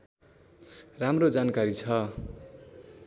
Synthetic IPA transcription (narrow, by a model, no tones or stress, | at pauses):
ramrod͡zankaɾit͡sʰʌ